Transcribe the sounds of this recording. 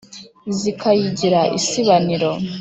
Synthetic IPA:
zikʰajiɟiɾaʔḭsiβaniɾo̞

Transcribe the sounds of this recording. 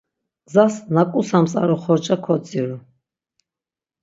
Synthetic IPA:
zasnakʼusamsʼa̰ɾɔχɔɾt͡ʃʼakʰɔt͡sʼiɾu

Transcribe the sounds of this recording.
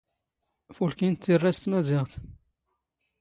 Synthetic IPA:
fulkint̪ːirːæst̪mæzɪʁt̪

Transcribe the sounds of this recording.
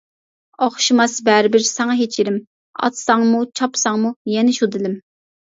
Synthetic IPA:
oχʃimɑsbæɾɪbɪɾsɛŋɑɦet͡ʃʰiɾɪm | ɑ̰t̪sɑŋmut͡ʃʰɑpsɑŋmujɛnɪʃud̪ɨlɪm

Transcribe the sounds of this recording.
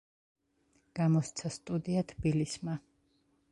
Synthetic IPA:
ɡ̥amɔst̪sʰast̪ʼud̪iat̪ʰbilisma

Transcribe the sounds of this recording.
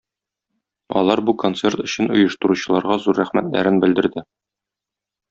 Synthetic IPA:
ɒ̰lˠɑɾbukont̪se̞rt̪ɵ̆ɕɘnŏjɤ̆ʃt̪ɤ̆ɾuɕɤ̆lˠɑɾʁɑzuɾːæχmæ̰t̪læ̰ɾɘnbɘ̆ld̪ɘ̆ɾd̪ɘ

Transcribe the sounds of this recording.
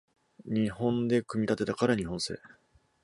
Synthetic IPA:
ɲ̟ihõ̞nd̪e̞kɯ̟mʲit̪at̪e̞t̪akaɾaɲ̟iɦõ̞ɰ̃se̞̰ː

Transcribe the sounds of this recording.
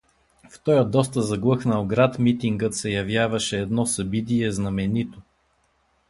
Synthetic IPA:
ft̪ɔjəd̪ɔs̬t̪əzɐɡlˠɤxnɐlˠɡɾat̪mit̪iŋɡət̪sɛjɐvjavɐʃɛːd̪nɔsɐbit̪̬iɛznɐmɛnit̪o

